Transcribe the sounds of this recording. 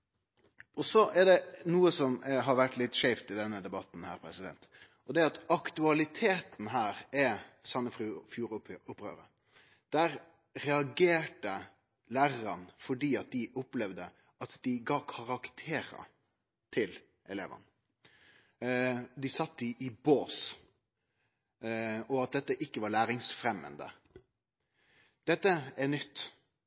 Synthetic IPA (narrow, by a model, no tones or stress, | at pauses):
ʔɔsɔʔɛɖɛnuːəsɔmɦɑɾʋæʈːlɪt̪ːʂɛɪft̪ɪd̪ɛnːəd̪ɛbɑt̪n̩hæ̰ːɾpʰɾɛsɪd̪ɛ̰nt̪ | ʔɔd̪ɛɑt̪ɑkt̪ʉɑlɪt̪ʰeːt̪n̩ɦæːɾɛsɑnːəfɾʉːfjuːɾʊpɾø̰ːɾə | d̪̥æɾ | ɾɛɑɡeːʈə | læːɾɑɾɑnfɔɖiːɑt̪̚d̪ɪʔʊplɛʋd̪ə | ɑt̪d̪ɪɡɑːkʰɑʁɑkt̪ʰeːɾə̰ | t̪ʰɪl | ʔɛleːʋə̰n | d̪ɪsɑt̪ːɪʔɪboːs | ɔɑt̪̚d̪ɛt̪ːəʔɪkːəʋɑɭæːɾɪŋsfɾɛmːə̰nd̪ə̰ | d̪̥ɛt̪ːəɛnʏt̪ː